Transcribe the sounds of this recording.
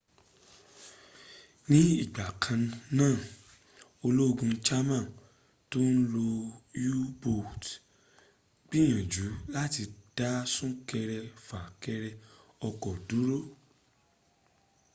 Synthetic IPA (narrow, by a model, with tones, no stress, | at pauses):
nĩ˦i˦˨ɡ͡ba˨kʰã˧nãː˦˨ | o˧lo˦o˧ɡũ˧t͡ʃa˦mã˦˨ | to˦n̩˦lo˧ju˦bo˦˨t | ɡ͡b̥i˦j̃ã˨d͡ʒu˨˦la˦ti˧d̥a˦sũ˦kɛ˧ɾɛ˧fa˨kɛ˧ɾɛ˧ɔ˧kɔ˨du˨˦ɾo˦˨